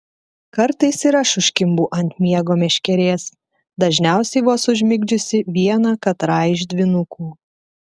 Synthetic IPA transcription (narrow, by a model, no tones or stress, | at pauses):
kɐɾt̪ɐɪsiːɾɐʃʊʃʲkʲɪmbuːʔɐnʲt̪̚ʲmʲiɛɡoːmʲɛʃʲkʲɛɾʲeːs | d̪ɐʒʲnʲæˑʊsʲɛɪbuɐsʊʒʲmʲɪɡʲd͡ʒʲʊsʲɪʋʲiɛnɑːkɐt̪ɾɑːjɪʒd̪ʲʋʲɪnʊkuː